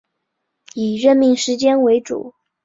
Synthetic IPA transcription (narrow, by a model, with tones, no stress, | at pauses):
i˨˩ɻə˥˧nmi˥˩ŋʂɻ̩˧˥t͡ɕjɛ˥nwe˧˥ɪʈ͡ʂṵ˨˩˦